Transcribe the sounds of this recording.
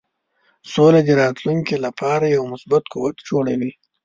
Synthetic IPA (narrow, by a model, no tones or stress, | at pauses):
solad̪əɾɑt̪luŋkelapʰɑɾajawmʊsbat̪kuwat̪d͡ʒoɽawi